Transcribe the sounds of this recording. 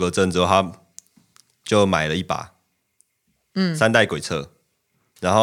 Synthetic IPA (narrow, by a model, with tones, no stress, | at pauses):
ɡə˨˧t͡sə˥˨n̩˧˥˦t̪ʰa˦ | t͡ɕjo˥˨ʊma˨˩ɪlə˦i˥˩pa̰˨˩˦ | sa˥˦nt̪a˥˩ɪkwe˨˩t͡sʰɤ̰˥˨ | ɻa˧˦nxo˥˨